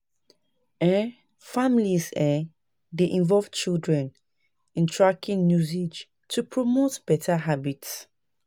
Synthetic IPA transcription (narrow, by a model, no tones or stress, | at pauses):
ɛ | familizɛ | deʔĩnvɔlvt͡ʃildɹɛ̃n | ĩntʰɹakĩŋnjuzed͡ʒ | tʰupʰɹomotb̥ɛtʰaɦabits